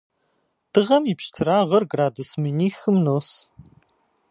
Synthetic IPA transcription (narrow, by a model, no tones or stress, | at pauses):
d̥ɨʁɐmipʃtʰɨɾaːʁɐrɡraːdusmɨniːxɨmnoːs